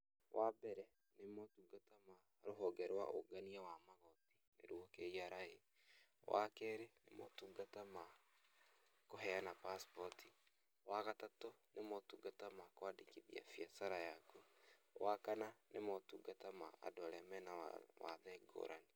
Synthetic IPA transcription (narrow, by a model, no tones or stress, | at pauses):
wʔabɛɾɛ | nemɔtuːɡatama | ɾoɦɔɡɛɾwa̰ʔoɡaniawamaɣɔtinḛɾwokeiaɾahe | wʔakɛɾenḛmɔtuːɡatama | koɦɛanapaspɔtʰi | waɣatatonemɔtuːɡatamakwadikiðḭa̰fiasaɾajakuwakananemɔtuɡatama̰a̰doaɾɛmɛna̰wa̰ðɛɡo̰ːɾʔane